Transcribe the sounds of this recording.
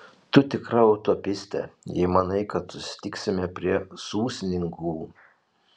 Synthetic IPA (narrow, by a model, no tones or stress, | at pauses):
t̪ʊt̪ʲɪkɾɐɔʊt̪opʲɪsʲt̪ʲɛ̰jɛɪmɐnɐɪkɐt̪sʊsʲɪ̥t̪ʲɪksʲɪmʲɛpʲɾʲiɛsuːsʲnʲɪŋɡuː